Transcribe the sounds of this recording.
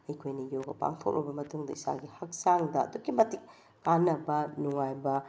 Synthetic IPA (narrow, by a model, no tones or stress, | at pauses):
ɐjkʰojnɐjoɡɐpa̰ŋtʰo̰k̚ɾʔɔ̰bɐmɐtuŋdɐisa̰ɡihɐk̚saŋdɐɐ̰dukːimɐtik̚ː | anːɐbɐnuŋajbɐ